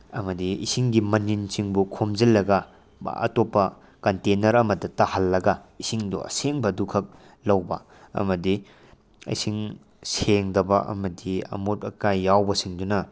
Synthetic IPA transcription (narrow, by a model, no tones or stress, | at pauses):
ɐ̰mɐdiḭsiŋɡimɐninsiŋbukʰomd͡ʒɐlːɐɡɐ̰ | ɐ̰topːɐ | kɐntenɐɾɐmɐdɐtɐhɐlːɐɡɐisiŋdṵɐ̰seŋbɐdukʰɐk̚ | lɐwbɐ̰ | ɐ̰mɐdi | ɐ̰jsiŋ | seŋdɐbɐʔɐ̰mɐdiɐ̰mutɐkajːawbɐsiŋdunɐ